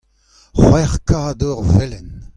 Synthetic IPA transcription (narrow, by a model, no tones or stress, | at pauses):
χwɛʁkad̪ɔʁvɛlɛn